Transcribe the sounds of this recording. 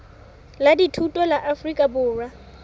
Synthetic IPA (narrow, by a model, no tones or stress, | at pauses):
laditʰutʼɔlaʔafrikʼabʊːrwa